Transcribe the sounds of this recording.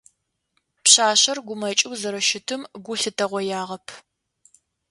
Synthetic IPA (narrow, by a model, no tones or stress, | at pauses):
pɕaːɕɐrɡʷʊmɐt͡ʃʼɪwzɐɾɐʃɪtʰɨmɡʷʊɬɨtʰɐʁʷɔjaːʁɐpʰ